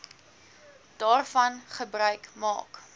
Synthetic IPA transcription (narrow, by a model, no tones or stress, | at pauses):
d̥ɑːrfɐnχəbrœɥkmɑ̰ːk